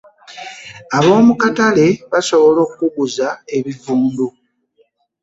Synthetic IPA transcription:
aβo̞ːmukatale̞βaso̞βo̞lo̞ːkuɡuzae̞βivuːndu

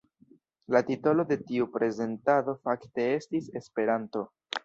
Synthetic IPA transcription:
latito̞lo̞de̞tiupɾe̞ze̞ntado̞fakte̞e̞stise̞spe̞ɾanto̞

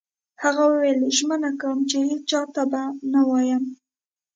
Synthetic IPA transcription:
haɣawəweleʒmənakawəmt͡ʃehet͡st͡ʃɑt̪abanawɑjəm

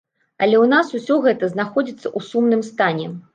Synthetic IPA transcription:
ɐlʲɛwnasusʲɔɣɛt̪ɐznaxɔd͡zʲit̪sːɐʔusumnɨmst̪anʲɛ

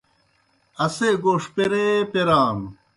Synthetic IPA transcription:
ɐseːɡoːʂpeɾeːpeɾaːm

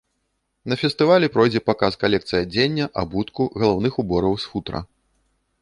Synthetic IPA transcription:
nɐfʲɛst̪ɨvalʲɛpɾɔjd͡zʲɛpakaskalʲɛkt̪sɨjɐd͡zʲenʲːɐʔabut̪kuɣɐlˠawnɨxubɔɾɐwsfut̪ɾɐ̰

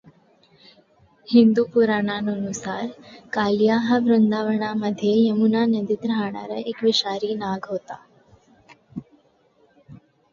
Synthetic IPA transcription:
hind̪upuɾaɳ̃anuənusaːɾkaljaɦəbɾənd̪aʋəɳ̃aməd̪ʱjejəmunanəd̪id̪ɾəɦaɳ̃a̰ɾəekʋɪʃaɾiːnaɡɦoːt̪a

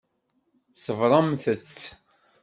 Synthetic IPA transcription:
səvɾˤɑmθət͡sː

